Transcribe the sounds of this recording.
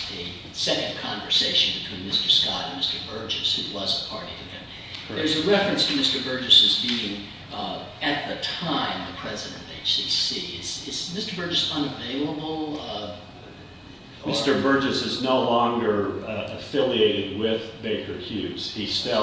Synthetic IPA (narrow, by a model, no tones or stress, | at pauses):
ɨ | sɛkɨ̃n̩kʰɑ̃ɱvə˞seɪʃɨ̃nbɨtʰw̥ĩnmɪstə˞skɑ̰ɾɨ̃nmɪstə˞bɜ˞d͡ʒɨshʉwʌzəpʰɑɹɾiɨɡɛ̃n | ðə˞zɨɹɛfɹɨ̃nstʰɨmɪstə˞bɜ˞d͡ʒɨsɨzbiɪ̃ŋ | ɨt̪̚ðɨtʰãɪ̃mðɨpʰɹ̥ɛzɨɾɨ̰̃n̩ðeɪssisiɪsɪsmɪstə˞bɜ˞d͡ʒɨsʌ̃nɨveɪlˠəbl̩ˠ | mɪstə˞bɜ˞d͡ʒɨsɨznoʊlɔ̃ŋɡə˞ɨfɪlˠieɪɾɨd̚wɪðbeɪkʰə˞hjʉz̥histɪ